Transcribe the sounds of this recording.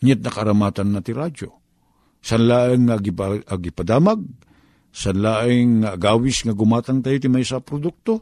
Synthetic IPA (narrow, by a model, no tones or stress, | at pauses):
ɲat̪̚nɐkaɾamat̪anːat̪ɪɾad͡ʒo̰ | sanlaːʔɪŋːaɡipaaɡɪpad̪aːmaɡ̚ | sanlaʔɪŋːaɡaːwɪsŋaɡʊmaːt̪aŋt̪aːjot̪ɪmajsapɾod̪uk̚t̪o